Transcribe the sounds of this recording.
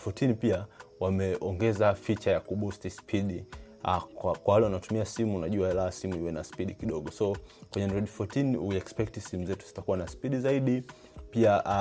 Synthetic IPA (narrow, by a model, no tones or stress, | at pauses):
futinipiawamɛʔɔŋɡɛzafit͡ʃajakuɓustispʰiɗi | akakwawalɛwanatumiasimunaʄuaɛlasimuiwɛnaspiɗikiɗɔɡɔsɔkwɛɲɛndɛɗifɔtiniuɛkspɛk̚tisimuzɛtuz̥i̥takuwanaspiɗizaiɗi | piaʔ